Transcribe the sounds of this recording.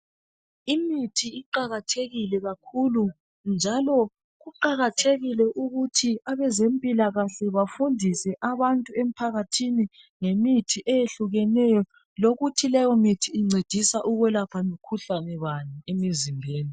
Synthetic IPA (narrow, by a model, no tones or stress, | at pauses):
imitʰiːǃaɣatʰeɣilɛɣakʰulu | nd͡ʒʱalɔ | ɣuǃaɣatʰeɣilɛʔuɣutʰiaβɛzempʼilaɣaɬɛβafundʱisɛʔaβantʼuem̩pʰaɣatʰini | ŋemitʰiʔɛjeɬuɣɛnɛjɔ | loɣutʰilɛjɔmitʰiːŋ͡ǀʱed̥ʱisaʔuɣwɛlapʰamikʰuɬanɛβaniemizimbʱeːni